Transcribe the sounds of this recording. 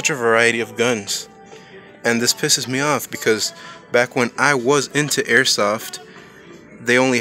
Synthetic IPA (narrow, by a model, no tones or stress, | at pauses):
ʌt͡ʃɨvə˞aɪɨɾiʌvɡʌ̃nz̥ | ɨ̃nðɪspʰɪsɨzmiɔfb̥ɨkʰʌzb̥ækwə̃naɪwʌzɪ̃ntʰʉʔɛɹsɔft | ðeɪõʊ̃nli